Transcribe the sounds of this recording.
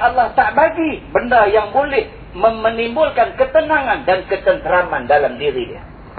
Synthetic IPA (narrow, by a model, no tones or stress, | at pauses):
atlaht̪aʔbaɡibəndajaŋbolɪh | məmənimbʊlkankət̪ənaŋandankət̪ənt̪əɾamandalamdiɾidia